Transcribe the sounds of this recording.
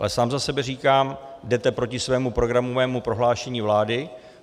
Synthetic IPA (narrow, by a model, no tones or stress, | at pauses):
ʔalɛsaːmzasɛbɛriːkaːmdɛt̪ɛpɾo̞cɪsvɛːmupɾo̞ɡɾamovɛːmupɾo̞ɦlaːʃɛɲiːvlaːdɪ